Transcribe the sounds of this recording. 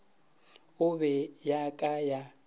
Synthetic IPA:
ʊβɛjakʼaja

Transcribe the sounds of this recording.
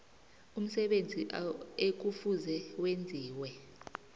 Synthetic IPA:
um̩sɛɓend͡zʱiʔek̬ufuzɛwend͡zʱiːwɛ

